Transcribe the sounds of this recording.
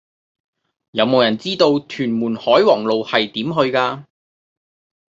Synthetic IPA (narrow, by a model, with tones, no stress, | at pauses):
jɐ˨˧wmo˨˧wjɐ˨˩nt͡siː˥t̪o˧wt̪ʰyː˨˩nmuː˨˩nhɔː˨˥jwɔː˨˩ŋlo˨whɐ˨jt̪iː˨˥mɦɵ˧ɥkaː˧